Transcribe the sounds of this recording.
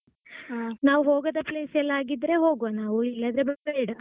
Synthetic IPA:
naːʋuɦoːɡɐd̪ɐpleːsɛlːaːɡid̪ɾe̞ɦo̞ːɡʋanaːʋuilːɐd̪ɾebɐbeɽɐ

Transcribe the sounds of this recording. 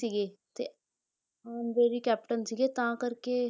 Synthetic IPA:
iːɡeːt̪eː | ənd̪eɾiːkɛːpʈənsiːɡeːt̪ãːkəɾkeː

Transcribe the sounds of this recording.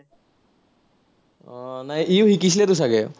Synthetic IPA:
najʔiwhikis̬ilɛt̪us̬aɡɛ

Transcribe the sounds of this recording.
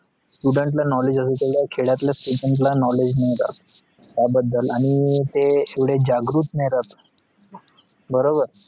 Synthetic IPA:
sʈuɖəɳʈ̬lanɔled͡ʑəs̬et̪eʋɽjakʰeɭjat̪ljasʈuɖəɳʈ̬lanɔled͡ʑneɾa̰t̪ː | jabəd̪ʱːəlaɽ̃it̪eːʋɽed͡ʑaɡɾuːt̪nejɾat̪ | bəɾobəɾ

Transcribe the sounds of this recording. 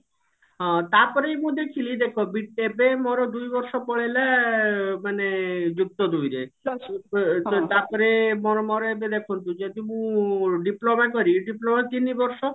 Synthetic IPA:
ɦɔ̃t̪apɔɾejmũd̪ekʰilid̪ekʰobiʈebemɔɾɔd̪ujbɔɾʃɔpɔɭela | maned͡ʒuk̚t̪ɔd̪ujɾe | t̪apɔɾemɔɾɔmɔɾɔebed̪ekʰunt̪ũd͡ʒet̪imũɖiplomak̬ɔɾiɖiplomat̪inibɔɾʃɔ

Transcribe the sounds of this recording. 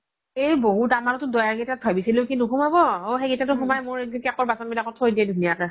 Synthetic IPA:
ejboɦudamanɔtʊdɔjaɹɡetat̚bʱabisilʊ̃kinukumabɔoxeɡetatʊɦumajmʊɹikakɔɹbasɔnbilakɔtʰhojdiɛdʱunijaka

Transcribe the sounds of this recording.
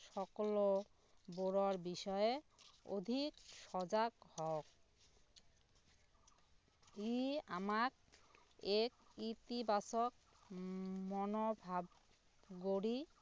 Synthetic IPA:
ʃɔkolo | boɾoɾbiʃɔeo̰d̪ʱikʃɔd͡ʑakhɔk̚ | iamak | ekit̪ibasok | mɔnobʱab | ɡoɾi

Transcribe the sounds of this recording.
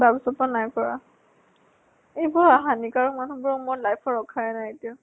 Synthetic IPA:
baɡsɔpanajkɔɹa | ejbɔɹaɦanikaɹɔkmanubɔɹɔmɔlajpʰɔɹɔkʰaɹɛnajetiɔ

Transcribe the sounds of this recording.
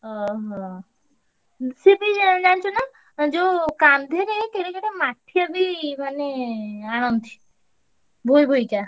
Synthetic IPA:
ɦɔɦɔ̃ | sibid͡ʒant͡ʃʰona | d͡ʒokamd̪ʱeɾet̪eɾekeʈemaʈʰːijabimaneanɔnd̪ʱi̥ | bʱojbʱojka

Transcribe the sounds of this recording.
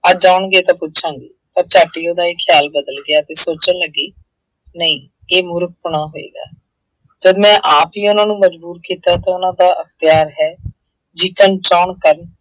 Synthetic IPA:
ad͡ʒaːɳɡeːt̪ãːpʊtːt͡ʃʰãːŋɡḭːpəɾt͡ʃaːʈːiːoːd̪aːikʰɪjaːlbəd̪əlɡɪjaːt̪eːsoːt͡ʃənləɡiː | nəĩː | eːmʊɾk̚pʊɳ̃aːɦoːḛːɡa̰ː | d͡ʒəd̪mɛ̃ːʔaːpiːʊnãːnũːməd͡ʒbuːɾkiːt̪aːt̪ãːʊnãːd̪aːʔəkʰt̪ɪjaːɾɦɛː | d͡ʒiːkənʈɾaːɳkəɾən

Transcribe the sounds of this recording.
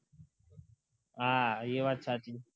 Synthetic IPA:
ajewat͡ʃʰati

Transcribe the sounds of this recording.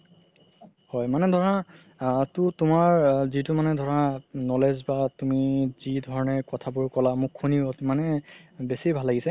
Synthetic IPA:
hɔjmanɛdʱɔɹa | tʊtʊmaɹzitʊmanɛdʱɔɹanɔlezbatumizidʱɔɹɔnɛɹkɔtʰabʊɹkɔlamʊkʰːuniotmanɛbesibʱalːaɡisɛ

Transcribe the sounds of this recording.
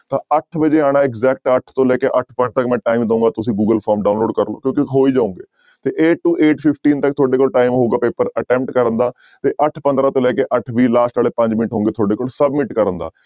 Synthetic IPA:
t̪ãːəʈʰbəd͡ʒeːaːɽ̃aːɪɡzɛːk̚ʈəʈʰt̪õːlɛːkeːʔəʈʰpəʈt̪əkmɛ̃ːʈaːiːmd̪əũːɡaːt̪ʊsĩːɡuːɡəlpʰaːɾmɖaːʊnloːɖkəɾlo̰ːkjõːkiɦoːiːd͡ʒaːũːŋɡeː | t̪eːʔeːʈːuːʔeːʈpʰɪpʰʈiːnt̪əkt̪ʰoːɖeːkoːlʈaːimɦoːɡaːpeːpəɾəʈɛ̃ːmpʈkəɾənd̪aː | t̪eːʔəʈʰpə̃nd̪ɾãːt̪õːlɛːkeːʔəʈʰʋiːlaːsʈaːleːpə̃ɲd͡ʒmɪnəʈʰɦõːŋɡeːt̪ʰoːɖeːkoːlsəbmɪʈkəɾənd̪a̰ː

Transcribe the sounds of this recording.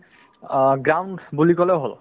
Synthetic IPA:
ɡɹawnɖbulikɔleoɦo̰l

